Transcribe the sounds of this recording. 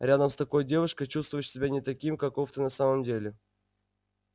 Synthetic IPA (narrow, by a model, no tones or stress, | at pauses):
ɾʲad̪əmst̪ɐko̞jdʲe̞vʊʂkəjt͡ɕust̪vʊjʂsʲɪbʲanʲɪt̪ɐkʲimkɐkoft̪ənɐsaməmdʲelʲɪ